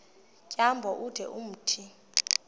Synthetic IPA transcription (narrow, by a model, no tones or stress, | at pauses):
kʼjambʱɔʔud̥ʱɛ̰ʔum̩tʰi